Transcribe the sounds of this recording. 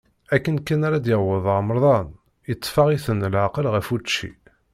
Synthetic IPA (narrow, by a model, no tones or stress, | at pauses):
ækːənkːænaɾad̪jəʁwəðˤəʁməɾˤðˤɑn | jət̪ˤːfɑʁiθənlʕaqəlʁəfut͡ʃːḭ